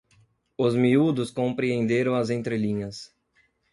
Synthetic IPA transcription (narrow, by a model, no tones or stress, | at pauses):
ʊzmiud̪ʊskõmpɾiẽnd̪eɾɐ̃w̃ɐzẽnt̪ɾelĩɲɐs